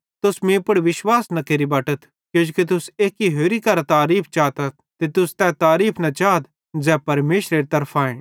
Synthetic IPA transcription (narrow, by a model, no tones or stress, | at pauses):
t̪ʊsmĩpʊɽʋɪʃwaːsnɐkeːɾibɐːʈət̪ʰ | kjõːd͡ʒkit̪̬ʊseːkːiɦeːɾikɐɾat̪aːɾiːpʰt͡ʃaːt̪ɐt̪̚t̪et̪ʊst̪ɛ̃ːt̪aːɾiːpʰnɐt͡ʃaːt̪̚ | d͡zɛːpɐɾmeːʃɾeːɾit̪ɐɾpʰaːẽː